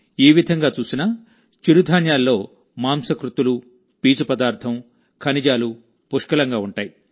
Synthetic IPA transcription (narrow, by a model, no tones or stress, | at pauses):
iːʋid̪ʱɐŋɡaːt͡ʃuːsinɐ | t͡ʃiɾud̪ʱaːnjaːlːo̞ː | maːmsɐkɾut̪ulu | piːt͡ʃupɐd̪aːɾt̪ʰɐm | kʰɐnid͡ʒaːlu | puʂkɐlɐŋɡaːuɳʈaːji